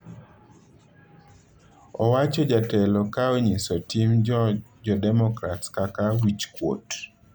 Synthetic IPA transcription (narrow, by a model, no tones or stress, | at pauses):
ɔwat͡ʃɔd͡ʒatɛlɔkaoɲisɔtimd͡ʒɔdɛmɔkɾatskakawit͡ʃkwo̰t